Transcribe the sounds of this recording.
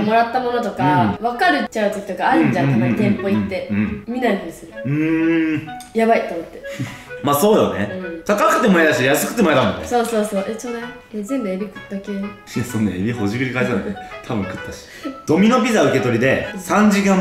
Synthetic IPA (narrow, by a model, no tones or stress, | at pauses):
mo̞ɾat̪ːamo̞not̪o̞kaβakaɾɯ̟t͡ɕaɯ̟t̪o̞kʲi̥t̪o̞kaːɾɯ̟̃ɲd͡ʑãamait̪ẽ̞mpo̞it̪ːe̞ɯ̃mʲinaɾʲit̪oisɨɾɯ̟ɯ̃ | jabait̪ːomot̪ːemaso̞ːjo̞̰nḛɯ̃t̪ʰakakɯ̟t̪ːemoad̪aɕit̪ejasɨ̥kɯ̟̥t̪ːemaet̪amõ̞̰nːeso̞ːso̞ːso̞ːʔesona | azẽ̞mbɯebʲikɯ̥t̪d̪ake | ijasõnːeebʲiho̞ʑikɯɾʲikaid͡ʑanakt̪ʰabɯ̟̃ŋkɯ̟t̪ːaɕi̥d̪̥o̞mʲino̞bʲizaɯ̟ke̞t̪o̞ɾʲid̪e̞sãɲ̟d͡ʑikã